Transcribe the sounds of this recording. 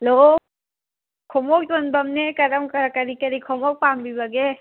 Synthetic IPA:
lo | kʰomɔk̚tonbɐmnekɐɾɐmkɐɾkɐɾikɐɾikʰɔmɔk̚pambibɐɡe

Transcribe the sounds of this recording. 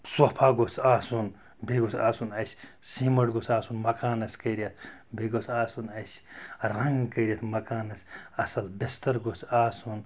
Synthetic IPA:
swopʰaːɡot͡sʰʲaːsun | beɡot͡sʲa̰ːsunɐsʲ | simɐʈɡot͡ssʰaːsunmɐkaːnɐsʲkɐiɾʲɐt̪ʰbeɡosʰaːsunɐsʲɾɐŋɡkɐɾʲɐt̪ʰmɐkaːnɐsʲɐsɐlbist̪ɐɾɡot͡sʰaːsun

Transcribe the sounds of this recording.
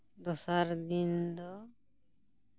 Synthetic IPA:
dɔsaɾd̪ind̪ɔ

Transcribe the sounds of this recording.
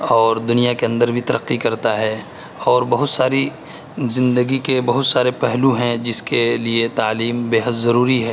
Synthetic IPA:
ɔːɾd̪ʊnijakeɐ̃nd̪əɾbʱit̪ɐɾəqːikɐɾt̪aɦɛː | ɔːɾbɐɦʊt̪saːɾi | zɪ̃nd̪əɡikebɐɦʊt̪saːɾepɛɦluɦɛ̃d͡ʒɪskeliet̪aːliːmbeːɦət̪zɐɾuːɾiɦɛː

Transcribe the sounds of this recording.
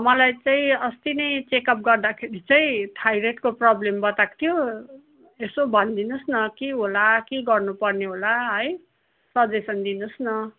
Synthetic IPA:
ʌmʌlajt͡saĩʌst̪inʌjt͡sekʌp̚ɡʌrd̪akʰeɾit͡saĩʈʰajɾeʈkoprʌblembʌt̪akt̪ʰijo | esobʱʌnd̪inʌsnʌkeɦolakeɡʌrnupʌrneɦolaɦʌj | sʌd̪esʌnd̪inʌsnʌ

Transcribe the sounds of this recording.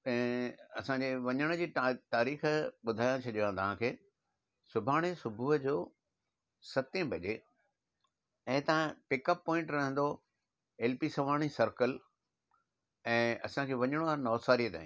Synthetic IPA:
pɛ̃ɪ̃ɐsãɲd͡ʑeːʋɐɲəɽ̃ʊd͡ʑiːt̪aːɾiːxəɓʊd̪ʱaːjãt͡ɕʰɐʄʋãːt̪ɐʋ̤ãkʰeː | sʊbʱaːɽ̃esʊbʱuɦəd͡ʑoː | sɐt̪ẽbʱɐd͡ʑeː | ɛ̃ːt̪aãpɪkəpːɔ̃ːɪ̃ɳʈɾɐɦə̃nd̪o | eːlpisɐʋaːɽ̃isɐɾkəl | ɛ̃ːɐsãkʰeːʋɐɲəɽ̃oaːɾnɔːsaːɾiət̪a̰ːɦĩː

